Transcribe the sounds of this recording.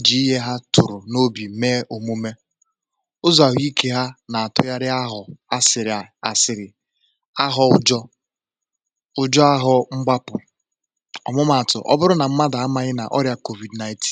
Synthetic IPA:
d͡ʒi˨i˦ɦe˦ɦa˦tʊ˨ɾʊ˨no˦bi˨meː˦ʔo˨mu˦me˦ | ʊ˦zɔ˨a˨ɦi˦kʰe˦ɦa˦na˨a˨tʊ˦ja˦ɾɪ˦a˦ɦʊ˨a˦sɪ˨ɾɪ˨a˨a˨sɪ˨ɾɪ˨ | a˦ɦɔ˦ʊ˦d͡ʒɔ˦ | ʊ˦d͡ʒɔ˦a˦ɦʊ˨ŋ͡m̩˦ɡ͡ba˦pʊ˨ | ɔ̰˨mʊ˦ma˨a˨tʊ̰˨ʔɔ̰˦bʊ˦ɾʊ˦na˨m̩˦ma˦da˨a˦ma˦ɲɪ˦na̰˨ʔɔ˦ɾja˨ko˨vi˨dna˨jtʰi̥˦n

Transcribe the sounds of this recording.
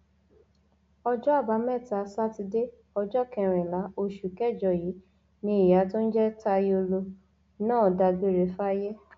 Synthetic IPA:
ɔ˧d͡ʒɔ˦a˦˨ba˨˦mɛ˦˨ta˨sa˦ti˧de˦ | ɔ˧d͡ʒɔ˦kɛ̃˧ɾ̃ĩ˨la˨˦o˦˧ʃu˨kɛ˦˨d͡ʒɔ˨jiː˨˦ | nĩ˧˦i˨ja˨˦to˦n̩˦d͡ʒɛ˦ta˦˧jo˧lo˧ | nãː˦˨da˧ɡe˨˦˨ɾe˨˦fa˦a˧je˦

